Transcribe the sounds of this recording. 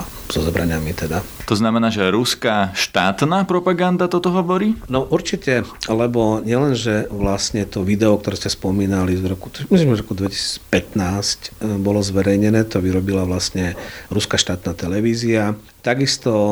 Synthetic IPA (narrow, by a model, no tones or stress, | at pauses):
z̥ɔzɔbɾaɲamit̪ɛd̪at̪ɔznamɛnaːʒɛɾuskaʃt̪aːt̪naːpɾɔpaɡand̪at̪ɔt̪ɔɦɔʋɔɾiːnɔʔuɾt͡ʃicɛlɛbɔɲɪɛlɛnʒɛʋlastɲɛt̪ɔʋid̪ɛɔk̚t̪ɔɾɛːscɛspɔmiːnalizɾɔku̥t̪ɔmisimɾɔkud̪ʋɛci̥si̥ːt͡spɛt̪naːscbɔlɔzʋɛɾɛjɲɛnɛːt̪ɔʋiɾɔbilaʋlasɲɛɾuskaʃt̪aːt̪naːt̪ɛlɛʋiːzia | t̪aɡist̪ɔ